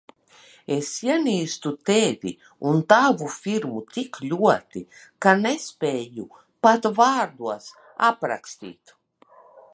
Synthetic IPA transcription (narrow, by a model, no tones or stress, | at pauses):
esjiɛniːst̪ut̪eːd̪ḭ | unt̪avufiɾmut̪iklʲuɔt̪ikanespʲeːju | pat̪vaːɾd̪uɔs | a̰pɾa̰kst̪ḭːt̪